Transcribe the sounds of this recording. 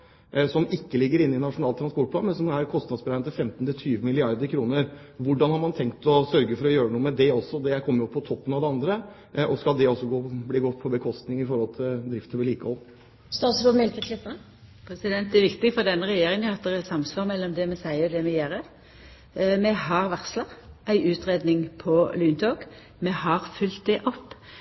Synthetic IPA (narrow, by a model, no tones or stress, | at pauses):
sɔmɪkːəlɪɡːəɾɪnːɪnɑʂʊnɑːlt̪ʰɾɑnspɔʈpʰlɑ̰ːnmɛnsɔmæɾkʰɔst̪nɑd̪sbəɾæɪnt̪ʰɪlfɛmt̪n̩t̪ʰɪlt̪ʰyːʋəmɪlɪɑɾd̪əɾkʰɾuːnəɾ | ʋʊɖɑnhɑɾmɑnt̪ʰɛŋkt̪ɔsœɾɡəfɔɾɔjøːɾənuːəmɛd̪ɛɔsɔd̪ɛækʰɔmːəɾjʊpʰːɔt̪ʰɔpːənɑʋd̪ɛɑnd̪ɾə | ʔɔskɑld̪ɛɔsːɔɡoːbliːɡɔt̪ːpʰɔbəkʰɔst̪nɪŋɪfɔɾhɔlt̪ʰɪld̪ɾɪft̪əʋɛliːkəhɔlː | st̪ɑːt̪sɾuːmɛlt̪ʰɛk̪ʰlɪsnə | pʰɾɛsɪd̪ɛnt̪æɾʋɪkt̪ɪfɔʁd̪ɛnːəɾɛjeːɾɪŋəɑt̪̚d̪ɛʁɛt̪sɑmsʋɑːʁmɛlːɔmd̪ɛmɛsæɪəd̪ɛmɛjeːɾə | mɛhɑʁʋæʁsləʁæɪʔʉːt̪ʁeːd̪nɪŋpʰɔlyːnt̪ʰoːɡ | mɛhɑʁfʉlt̪̚d̪ɛʔɔpː